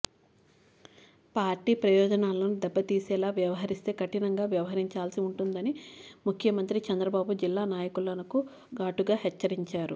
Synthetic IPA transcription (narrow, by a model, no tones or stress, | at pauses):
paːɾʈiːpɾɐjɔːd͡ʒɐnaːnlo̞ːnud̪ɛbːɐt̪iːsɛːlaːʋjɐʋɐɦɐɾist̪e̞ːkɐʈinɐŋɡaːʋjɐʋɐɦɐɾiɲt͡ʃaːlsiuɳʈund̪ɐnimukʰjɐmɐnt̪ɾit͡ʃɐnd̪ɾɐbaːbud͡ʒilːaːnaːjɐkulɐnɐku | ɡaːʈuɡaːhɛt͡ʃːɐɾiɲt͡ʃaːɾu